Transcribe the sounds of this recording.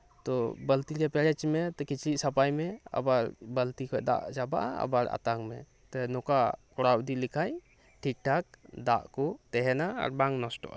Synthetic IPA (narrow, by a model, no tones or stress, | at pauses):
t̪ɔbəlt̪iɾɛpɛɾɛt͡ʃmɛt̪ɔkit͡ʃʰlisapajmɛa̰baɾbəlt̪ikʰɔd̪a̰ʔd͡ʒaba̰ʔa̰a̰baɾa̰t̪aŋmɛ̰ | t̪ɔnɔkakɔɽawd̪ilikʰaj | ʈʰik̚ʈʰak̚d̪a̰ʔkɔt̪ɛɦɛnaa̰ɾbaŋnɔsʈɔ̰ʔa̰